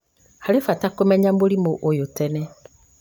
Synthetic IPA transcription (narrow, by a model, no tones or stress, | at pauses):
halefatakomɛɲãmboɾimoʔojotɛnɛ